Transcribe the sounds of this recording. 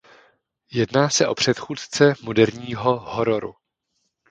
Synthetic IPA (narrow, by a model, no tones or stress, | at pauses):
jɛdnaːsɛʔo̞pr̝̥ɛt̪xuːt̪t͡sɛmodɛɾɲiːɦo̞ɦoɾoɾṵ